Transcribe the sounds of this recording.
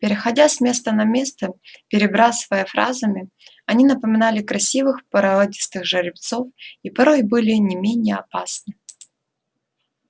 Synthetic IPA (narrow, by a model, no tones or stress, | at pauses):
pʲɪɾʲɪxɐdʲasmʲe̞st̪ənɐmʲest̪əpʲɪɾʲɪbɾasɨvəjəfɾa̰zəmʲɪ | ɐnʲinəpəmʲɪnalʲɪkɾɐsʲivɨxpəɾɐadʲɪst̪ɨxʐɐɾʲɪpt̪so̞fipɐɾo̞jbɨlʲɪnʲɪmʲenʲɪjəɐpasnɨ